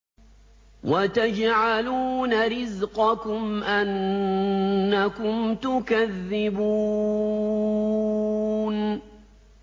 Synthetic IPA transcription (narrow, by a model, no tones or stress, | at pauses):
wat̪ad͡ʒʕaluːnaɾɪzqɑkʊmʔan | akʊmt̪ʊkaðːɪbuː | n